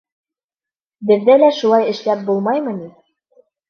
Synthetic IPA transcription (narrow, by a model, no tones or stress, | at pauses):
bɘ̆ðːælæʃulˠɑjɘ̆ʃlæp̚bulˠmɑjmɤ̆ni